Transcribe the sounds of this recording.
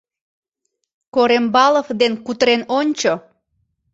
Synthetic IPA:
koɾembɑləfd̪enkut̪ɾenonʲt͡ɕo

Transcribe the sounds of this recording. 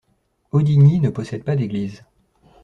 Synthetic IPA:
od̪iɲinəpɔsɛd̪̚pad̪eɡliːz

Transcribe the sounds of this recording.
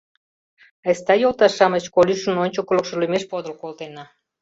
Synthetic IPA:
əst̪ɑjolˠt̪ɑʃːɑmət͡ɕkolʲyʃə̆nonʲt͡ɕokolŏkʃə̆lymeʃpod̪ə̆lkolˠt̪enɑ

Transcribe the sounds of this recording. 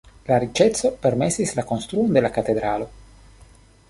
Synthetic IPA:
laɾit͡ʃet̪sopeɾmesislakonst̪ɾuond̪elakat̪ed̪ɾalo

